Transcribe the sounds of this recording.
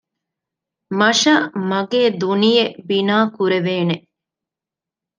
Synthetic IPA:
mɐʃɐmɐɡeːd̪unijebinaːkuɾeʋeːne

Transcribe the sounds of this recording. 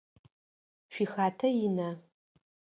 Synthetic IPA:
ʃʷixaːtʰɐjinɐ

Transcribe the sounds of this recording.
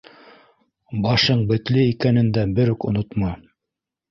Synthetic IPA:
bɑʃɤɴbɘ̆t̪lɘikænɘ̆nd̪æbɘ̆ɾɵkŏnot̪mɑ

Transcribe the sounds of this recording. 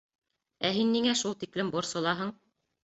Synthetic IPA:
æɦinːiŋæʃulˠt̪iklɘmbŏɾsɤ̆lˠɑɦɤɴ

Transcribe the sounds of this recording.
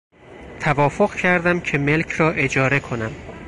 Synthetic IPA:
t̪ʰævɒːfoɣcʰæɾd̪æmcʰe̞me̞lcʰɾɒːʔe̞d͡ʒɒːɾe̞kʰo̞næm

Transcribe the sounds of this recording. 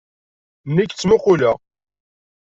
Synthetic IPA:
nːikt͡sːmʊqʊlæ

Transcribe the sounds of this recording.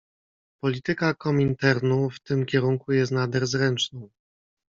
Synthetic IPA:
pɔlʲit̪ɘkakɔmʲint̪ɛɾnuft̪ɘmkʲɛɾuŋkujɛst̪nad̪ɛɾzɾɛnt͡ʂnɔ̃w̃

